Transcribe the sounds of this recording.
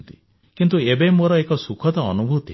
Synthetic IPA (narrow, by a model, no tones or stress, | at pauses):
t̪i | kint̪̬uebemoɾɔekɔsukʰɔt̪ɔɔ̰nubʱut̪ḭ